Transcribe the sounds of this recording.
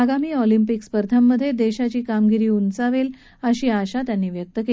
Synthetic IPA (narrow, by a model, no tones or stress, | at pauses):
aɡamiːɔlimpikspəɾd̪ʰʱamːəd̪ʱːjed̪eɕat͡ɕiːkamɡiɾiːunt͡saʋel | əɕiːaɕat̪janːiːʋjək̚t̪əke